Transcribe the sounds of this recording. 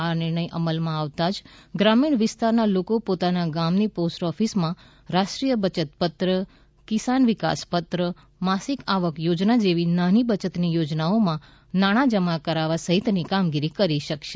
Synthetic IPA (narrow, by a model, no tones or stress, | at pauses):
anɪɾɳ̃əjʔəməlmãaʋt̪ad͡ʒɡɾamiɳʋɪst̪aɾnalokopot̪anaɡamniposʈɔfismã | ɾaʃʈɾijəbət͡ʃət̪pət̪ɾə | kɪsanʋɪka̰spət̪ɾə | masikaʋəkjod͡ʒnad͡ʒeʋinanibət͡ʃət̪nijod͡ʒnaomã | naɽ̃ãd͡ʒəmakəɾaʋasəɦit̪nikamɡiɾikəɾiʃəkʃe